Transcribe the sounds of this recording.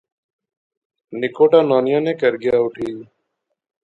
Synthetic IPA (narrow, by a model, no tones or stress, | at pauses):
nɪkoːʈaːnaːnɪjãːnẽːkəɾɡɪjaːʊʈʰiː